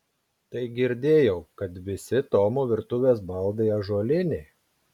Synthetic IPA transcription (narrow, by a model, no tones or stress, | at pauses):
t̪ɐɪɡʲɪɾʲd̪ʲeːjɛʊkɐt̪ʋʲɪsʲɪt̪oːmoːʋʲɪɾt̪ʊʋʲeːsbɐlˠd̪ɐɐʒuɔlʲɪnʲɛ